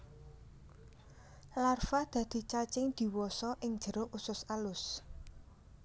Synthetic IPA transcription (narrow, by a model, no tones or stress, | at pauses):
larfad̪̥a̤d̪̥i̤t͡ʃat͡ʃɪŋd̪̥i̤wɔsɔʔɪŋ̥d͡ʒ̥əɾoʔusʊsalʊs